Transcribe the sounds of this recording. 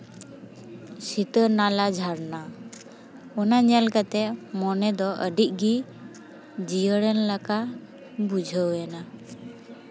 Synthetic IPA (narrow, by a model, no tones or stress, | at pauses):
sit̪əɾnalad͡ʒʱaɾna | ɔnaɲɛlkat̪ɛʔmɔnɛd̪ɔʔə̰ɖiʔ̚ˀɡi | d͡ʒijəɽɛnlaka | bud͡ʒʱəwjɛna